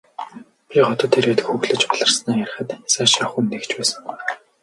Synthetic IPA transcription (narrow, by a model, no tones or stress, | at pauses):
pʲiɢɔt̪ɞ̆t̪ʰːeɾeːt̪xuɣɮɘ̆t͡ɕpɔɮə̆rsnaːjær̆ʲχə̆t̪saːʃaχunːekt͡ɕpæːsə̆ŋɢuj